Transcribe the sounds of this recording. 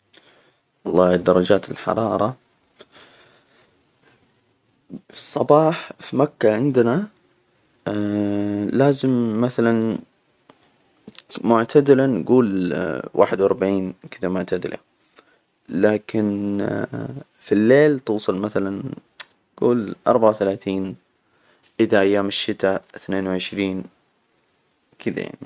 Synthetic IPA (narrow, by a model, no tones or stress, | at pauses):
wɑlˤːɑːd̪ɑɾˤɑd͡ʒaːt̪ɪlħɑ̰ɾˤɑːɾˤɑ | sˤːɑbɑːħfimakːaʕɪnd̪na | laːzɪmːaθalan | mʊʕt̪ʰad̪ɪlanɡuːlwʔa̰ːħɪd̪wʔɑɾˤbaʕiːnkɪd̪amʊʕt̪ʰad̪ɪlʔa̰ | laːkʰɪn | filːeːlt̪uːsˤɨlmaθalan | ɡ̥ṵːlʔɑ̰ɾˤbaʕawθalaːθiːn | ʔɪðaʔajːaːmɪʃːɪt̪aθneːnwʕɪʃɾiːn | kʰɪd̪a̰ja̰ʕni